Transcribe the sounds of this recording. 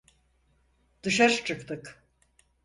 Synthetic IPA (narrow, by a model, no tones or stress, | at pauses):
d̪̥ɯʃaɾt͡ʃʰɯkt̪ɯk